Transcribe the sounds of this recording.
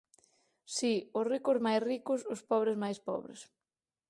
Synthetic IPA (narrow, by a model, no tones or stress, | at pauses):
siʊsrikʊzmajsrikʊsʊspɔβɾɪzmajspɔ̰βɾḛs